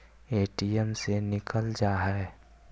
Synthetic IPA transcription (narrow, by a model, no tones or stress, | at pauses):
eːʈijɛmsenɪkəld͡ʒaːɦɛe